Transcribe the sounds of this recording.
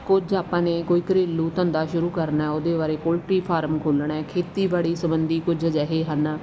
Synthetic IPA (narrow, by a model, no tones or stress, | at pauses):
kʊd͡ʒaːpãːneːkoːiːkəɾeːlːuːt̪ə̃nd̪aːʃʊɾuːkəɾnaɛoːd̪eːʋaːɾeːkoːlʈɾiːpʰaːɾəmkʰoːlɳɛːkʰeːt̪iːbaːɭiːsəbənd̪iːkʊd͡ʒəd͡ʒɛɦeːɦən